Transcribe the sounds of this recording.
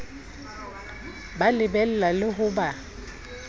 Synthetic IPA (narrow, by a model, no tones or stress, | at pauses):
balɪbɛl̩lalɪɦʊba